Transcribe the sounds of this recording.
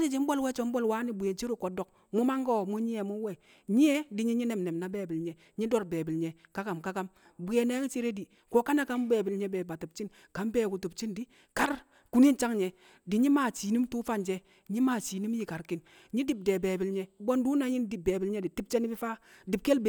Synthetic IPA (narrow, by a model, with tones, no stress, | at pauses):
di˦d͡ʒi˨˦m̩˦bo˦lwe˦t͡ʃo˨˦m̩˦bo˦lwa˦ni˦bu˨je˨nt͡ʃi˦ɾu˦ko˨do˨k̚ | mu˦ma˦ŋɡo˦mu˦ɲi˦e˨mu˦we˨ | ɲi˦e˦di˨ɲi˦ɲi˦ne˨mne˨mna˨beː˨bi˨lɲe˨ | ɲi˦do˦ɾbeː˨bi˨lɲe˨ka˦ka˨mka˦ka˦m | bu˨je˨ne˦t͡ʃi˦ɾe˦di˨ | ko˦ka˦na˦ka˦m˦beː˨bi˨lɲe˦beː˨ba˨tu˨bt͡ʃi˦n | ka˨˦mbeː˦˨ku˨tu˨pt͡ʃi˦ndi˨˦ | ka˦ɾ | ku˦ni˦nt͡ʃa˦ŋɲe˨ | di˨ɲi˦ma˨t͡ʃiː˨ni˦mtu˦fa˦nd͡ʒe˦ | ɲi˦maː˨t͡ʃi˨ni˦m˦ji˦˨ka˨ɾki˦n | ɲi˦di˦b̚de˨be˨bi˨lɲe˨˦bo˦ndu˦na˨˦ɲi˦ndi˨b̚beː˨bi˨lɲe˦di˨ti˦p̚t͡ʃe˦ni˦bi˦fa˦di˨b̚ke˦lb